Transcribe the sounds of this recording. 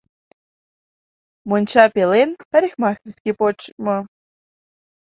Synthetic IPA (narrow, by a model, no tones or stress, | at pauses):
monʲt͡ɕɑpʲelenpæɾʲixʲmɑxʲrʲsʲkʲepot͡ɕmɤ̆